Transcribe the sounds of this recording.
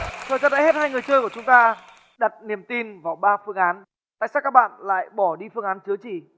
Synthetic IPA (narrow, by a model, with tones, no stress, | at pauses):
t̪ʰəː˨˩jza˧nɗa̰˧˥˦he˦˥t̚haː˧jŋɨ˨˩əjt͡ɕəː˧jku˧˩ət͡ɕʊ˨˦ŋ͡mt̪aː˧ | ɗa˨˩t̚ni˨˩əmt̪i˧nvaː˨˩wɓaː˧fɨ˧əŋʔaː˨˦n | t̪a̰ː˧˨jsaː˦˥kːaː˦˥k̚ɓa̰ː˧˨nla̰ː˧˨jɓɔ˧˩ɗi˧fɨ˧əŋʔaː˨˦nt͡ɕɨ˨˦ət͡ɕi˧˩